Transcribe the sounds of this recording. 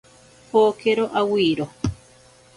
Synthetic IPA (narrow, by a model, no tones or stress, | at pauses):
poːkeɾoʔawiːɾo